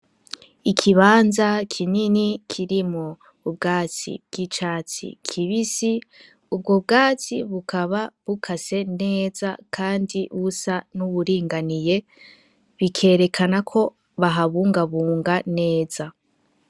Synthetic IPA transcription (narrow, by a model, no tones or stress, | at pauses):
ikʰiβaːnzakʰininikʰiɾimoː | b̚ɡaːt͡sḭb̚ɡ̥it͡ʃaːt͡sḭkʰiβisi | ub̚ɡob̚ɡaːt͡siβukʰaβaβukʰase̞neːza̰kʰaːndiβusanuβuɾiːŋɡanije̞ | βikʰe̞ːɾe̞kʰanakʰo̞ | βaɦaβuːŋɡaβuːŋɡane̞ːz̥a